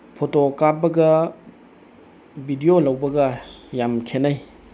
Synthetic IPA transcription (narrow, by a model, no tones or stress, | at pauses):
pʰotokaɾbɐɡɐ | bʱidiolɐwbɐɡɐjamkʰenaj